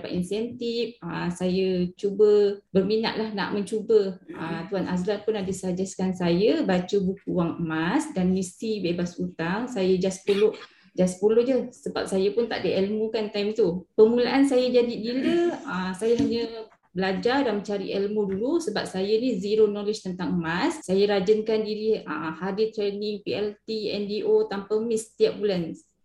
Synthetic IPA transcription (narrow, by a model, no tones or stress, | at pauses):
pa̰ʔ̪insɛnt̪ifəsajət͡ʃubəbərmina̰ʔ̪lahna̰ʔmə̃ɲt͡ʃubəət̪uanʔaslanpʊnadəsad͡ʒaskansajəbat͡ʃəbukuwaŋəmasdanmist̪ibebasut̪aŋsajəd͡ʒaspolʊʔ | d͡ʒaspulʊʔd͡ʒəsəba̰p̚sajəpʊnt̪a̰ʔdəʔɛlmukant̪ajmt̪upəmulaʔansajəd͡ʒadidiləəsajaɦaɲə | bəlad͡ʒardanmə̃ɲt͡ʃaɾḭʔɛlmudulusəbap̚sajəniziɾonolid͡ʒt̪ənt̪aŋmasːajəɾad͡ʒənkandiɾiəhadit̪ɾenɪŋpiɛlt̪iɛ̰ndiʔot̪ampəmɪst̪iap̚bulans